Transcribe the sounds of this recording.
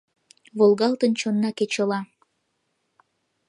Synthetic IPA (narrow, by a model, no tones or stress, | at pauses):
βolˠɣɑlˠt̪ənt͡ɕonːɑket͡ɕəlɑ